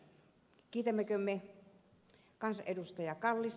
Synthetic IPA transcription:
kiːt̪æmːekømːe | kɑnsɑʔʔedust̪ɑjɑkɑlːis

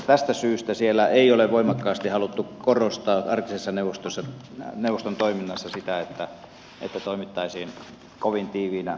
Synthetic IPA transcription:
t̪æst̪æsyːst̪æsielːˑæeˑioleʋʋoˑimɑkːɑːst̪ihɑlut̪ːukorost̪ɑːʔɑrkisesːɑneuʋˑost̪osːɑ | neuʋːˑost̪ont̪oˑiminːɑsːɑsit̪æet̪ːæ | ʔḛt̪ːæt̪oˑimit̪ːɑisiːn | koʋint̪iːʋiːnæ

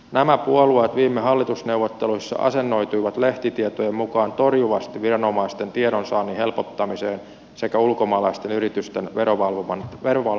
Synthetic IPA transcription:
næmæpuoluet̪ʋiːmːeɦɑlːit̪usne̞uʋot̪ːe̞luisːɑ̰ʔɑ̰se̞nːo̞jt̪uiʋɑt̪le̞ht̪it̪iet̪ojemmukɑːnt̪o̞rjuʋɑst̪iʋirɑno̞mɑist̪e̞nt̪ieɾonsɑːnihe̞lpot̪ːɑmise̞ːn | se̞kæulkomɑːlɑist̪enyɾit̪yst̪enʋeoʋɑlʋɑnʋeroʋɑ

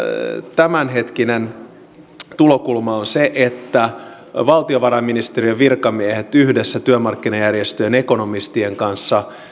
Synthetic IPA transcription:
t̪æmænɦet̪kinen | t̪ulokulmɑonseʔet̪ːæ | ʋɑlt̪ioʋɑrɑmːinist̪eriøʋirkɑmiehet̪yhdesːæt̪yømɑrkːinɑjærjest̪øjeneko̞no̞mist̪ieŋkɑnsːɑ

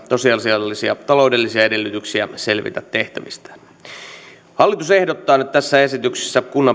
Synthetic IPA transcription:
sosiɑlsiɑlːisiɑ̰t̪ɑlo̞ude̞lːisiɑede̞lːyt̪yksiæ̰se̞lʋḭt̪æt̪ːe̞ht̪æʋist̪æ̥ | hɑlːit̪use̞hdot̪ːɑːnyt̪t̪æsːæesit̪yksi̥sːækunːɑ

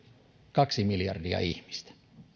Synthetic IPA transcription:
kɑksimiljɑrdiɑ̰ihmist̪æ̥

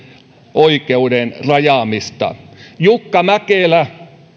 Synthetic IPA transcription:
ʔoikeudenrɑjɑmist̪ɑ̰jukːɑmækeˑlæ

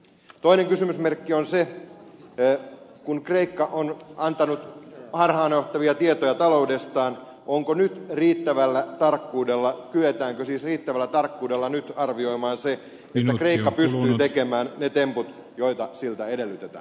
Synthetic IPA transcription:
t̪oineŋkysymysmerkːionse | kunkreikːɑʔonɑnt̪ɑnut̪hɑrhɑːnoht̪ɑʋiɑt̪iet̪ojɑt̪ɑlo̞udest̪ɑːn | ʔoŋkonyt̪riːt̪ːæʋælːæt̪ɑrkːuːdelːɑkyet̪æːŋkøsiːsriːt̪ːæʋælːæt̪ɑrkːuːdelːɑnyt̪ɑrʋioimɑːnse | et̪ːækreikːɑpysst̪yːt̪ekemæːnnet̪emput̪ | joit̪ɑsilt̪æedelːyt̪et̪æ̰ːn

